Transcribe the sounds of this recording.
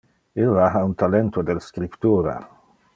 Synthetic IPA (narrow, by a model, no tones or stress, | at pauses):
ilːaɦaunt̪alent̪od̪elskɾipt̪uːɾa̰